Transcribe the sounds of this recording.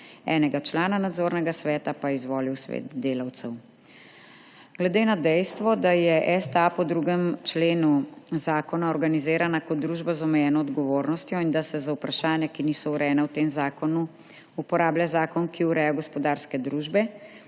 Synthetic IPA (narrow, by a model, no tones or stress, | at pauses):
ɛ̰ːnɛɡat͡ʃlaːnanad̪zoːɾnɛɡasʋɛːt̪apaizʋɔːliwsʋḛt̪d̪eːlawt̪sɛw | ɡ̥lɛd̪eːnad̪ɛjst̪ʋɔd̪ajɛʔɛst̪apɔd̪ɾuɡɛmt͡ʃleːnuzaːkɔnaɔɾɡanizeːɾanakɔt̪̚d̪ːɾuːʒbazɔmɛjɛːnɔːd̪ɡɔʋoːɾnɔst̪jɔind̪asɛzaupɾaʃaːnjakiniːsɔuɾɛɛnawt̪eːmzaːkɔnu | upɔɾaːbljazaːkɔnkiuɾɛjɔɡɔspɔd̪aːɾskɛd̪ɾuːʒbɛ